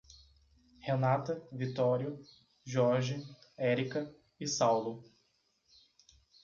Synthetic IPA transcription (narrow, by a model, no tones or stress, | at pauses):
henat̪ɐvit̪ɔɾiʊ | ʒɔɾʒiɛɾikɐ | ɪsawlʊ